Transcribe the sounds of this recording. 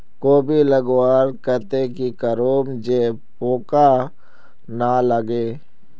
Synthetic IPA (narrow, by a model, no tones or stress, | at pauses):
koːbʱiləɡwaːɾkət̪ekikəɾoːmd͡ʒeː | poːka | naləɡeː